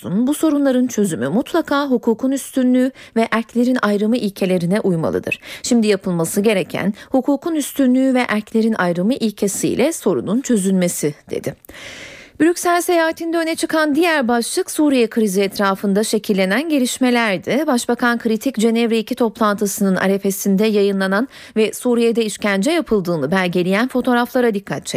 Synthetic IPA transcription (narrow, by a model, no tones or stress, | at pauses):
sṵnbuso̞ɾunlˠaɾɯnt͡ʃʰø̞zymymut̪ʰlˠakʰaːɦukʰuːkʰunyst̪ʰynlʲyːvɛʔæɾclʲe̞ɾinʔajɾɯmɯʔilʲcʰe̞lʲe̞ɾinɛʔujma̰lˠɯ̰d̪ɯ̰ɾ̥ʃimd̪ijapʰɯlˠmasɯɟe̞ɾecʰæ̰nhukʰuːkʰunyst̪ʰynlʲyːvɛʔæɾclʲe̞ɾinʔa̰jɾɯmɯʔilʲcʰe̞sḭjlʲʔɛso̞ɾṵnunt͡ʃʰø̞zynme̞sid̪̥ḛd̪ɪ | b̥yɾʲycsælʲse̞jaːɦat̪ʰind̪ɛønɛt͡ʃʰɯkʰand̪ijæɾbaʃlˠɯksuːɾijɛkʰɯɾiziɛt̪ʰɾaːfɯnd̪aʃe̞cʰilʲːe̞nænɟe̞ɾʲiʃme̞lʲæɾd̪ɪbaʃbakʰankʰɯɾit̪ʰicd͡ʒe̞nɛvɾeicʰit̪ʰo̞plˠant̪ʰɯsɯnɯna̰ɾe̞fe̞sind̪ɛjajɯnlˠanan | vɛsuːɾijed̪ɛiʃcænd͡ʒɛjapʰɯlˠd̪ɯːnɯbæɾɟe̞lʲijænfo̞t̪ʰo̞ːɾaflˠaɾad̪ikʰːat̪̚t͡ʃʰɛ